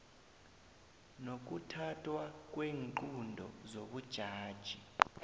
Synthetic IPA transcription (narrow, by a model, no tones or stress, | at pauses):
nok̬ʼutʰatʰʼwak̬ʼweːŋǃundʱɔ̰zoɓud̥ʒ̥ʱaːd̥ʒ̥ʱi